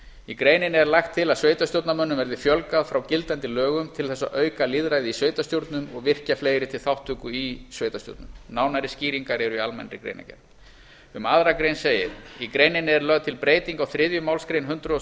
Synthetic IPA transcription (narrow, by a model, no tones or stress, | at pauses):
ikɾeːjnɪnɛɾlaxt̪ʰːɪlaðsveːjt̪ast̪jowt̪namœnːʏmvɛɾðɪfjœlkaðfɾawcɪlt̪ant̪ɪlœːɣʏmt̪ʰɪlθɛsːa̰ʔœːɥkaliðɾaːjðɪisveːɥjt̪ast̪jowɾt̪nʏmɔɣvɪr̥cafleːjɾɪt̪ʰɪlθawht̪ʰːʏkʏisveːjt̪ast̪jo̰ɾt̪nʏmnaːwnaɾɪsciːɾiŋkaɾɛɾʏialmɛ̰nɾɪkɾḛːjna̰cɛ̰ɾ | ʏmaðɾakɾejnseːjɪ̰ɾikɾeːjnɪnɛɾlœɣt̪ʰɪlpɾeːjt̪iŋkawθɾɪðjʏmawlskɾejnɦʏnt̪ɾʏɔ